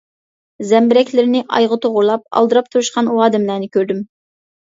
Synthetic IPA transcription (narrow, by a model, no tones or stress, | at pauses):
zɛmbɪɾɛkʲlɪɾɪnɪʔɑ̰jʁət̪ʰoʁʊɾlˠɑp̚ɑ̰lˠd̪ɨɾɑp̚t̪ʰuɾɨʃqɑnuɑːd̪ɪmlæɾnɪkʲʰøɾd̪ym